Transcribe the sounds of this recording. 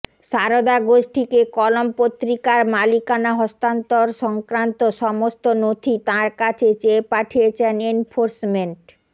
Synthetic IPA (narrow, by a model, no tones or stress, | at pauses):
ʃaɾod̪aɡoʃʈʰikekɔlompot̪ːɾikaɾmalikanaɦɔst̪ant̪oɾʃɔŋkɾant̪oʃɔmost̪onot̪ʰit̪ãɾkat͡ɕʰet͡ɕepaʈʰiet͡ɕʰenenfʰoɾsmeɳʈ